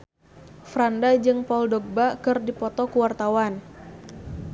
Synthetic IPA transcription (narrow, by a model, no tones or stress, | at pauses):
fɾandad͡ʒɨŋpɔldɔɡ̚bakɨrdipɔt̪ɔkuwart̪awan